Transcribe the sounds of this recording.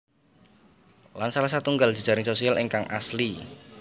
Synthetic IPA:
lansalasat̪uŋɡal̥ʒ̥i̤̥d͡ʒ̥a̤ɾɪŋsosialɪŋkaŋʔa̰sli

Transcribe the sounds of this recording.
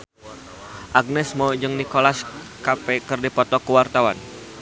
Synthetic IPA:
ʔaɡ̚nɛsmod͡ʒɨŋnikolas | kapekɨrdipɔt̪ɔkəwart̪awan

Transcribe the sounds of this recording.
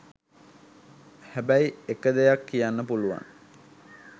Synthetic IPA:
hæbæjekəd̪ejakːijanːəpuluʋa̰ŋ

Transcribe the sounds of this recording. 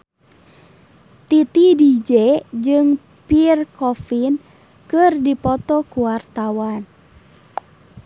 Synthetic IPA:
t̪it̪idid͡ʒɛd͡ʒɨŋ | pirkɔfin | kɨrdipɔt̪ɔkuwart̪awan

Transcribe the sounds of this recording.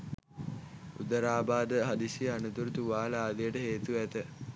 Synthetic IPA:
ṵd̪əɾaːbaːd̪əɦad̪isianut̪uɾut̪uʋaːlaːd̪ejəʈəɦeːt̪uʋæt̪ə

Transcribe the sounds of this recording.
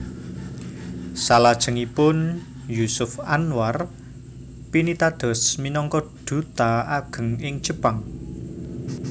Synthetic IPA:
salad̥ʒ̥ə̤ŋipʊn | jusʊfanwar | pinit̪ad̪̥ɔ̤sminɔŋkɔɖ̪̥ṳt̪aaɡ̥ə̤ŋɪŋ̥d͡ʒ̥əpaŋ

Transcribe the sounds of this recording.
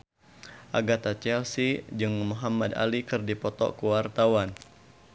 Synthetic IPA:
ʔaɡat̪at͡ʃɛlsid͡ʒɨŋmuɦamada̰likɨrdipɔt̪ɔ̰kuwart̪awan

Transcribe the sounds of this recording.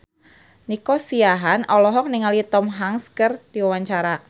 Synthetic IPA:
nikɔsiaɦanʔɔlɔɦɔk̚niŋalit̪ɔmɦaŋskərdiwawaɲt͡ʃaɾa

